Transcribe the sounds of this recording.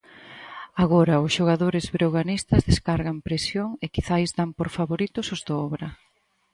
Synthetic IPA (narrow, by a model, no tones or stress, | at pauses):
aɣɔɾɐʊsʃoɣaðoɾɪzβɾoɣanist̪ɐzðeskaɾɣɐmpɾesjoŋekiθajzd̪ampoɾfaβoɾit̪ʊsʊzðoɔβɾɐ